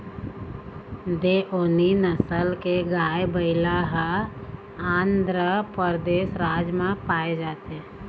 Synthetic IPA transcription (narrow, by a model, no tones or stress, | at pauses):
d̪eʔoːninəsəlkeɡaːebəɪlaɦa | ãːnd̪ɾəpəɾd̪eːsɾaːd͡ʒmãpaːed͡ʒaːt̪e